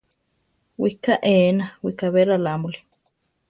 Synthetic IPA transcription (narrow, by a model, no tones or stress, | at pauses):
wikaʔenawikaβeɾalamuli̥